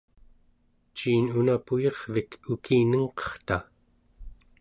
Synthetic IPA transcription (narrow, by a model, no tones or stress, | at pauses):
t͡ʃiːnunapujeʁvikʰukiːnəŋqʌ̥χt̪a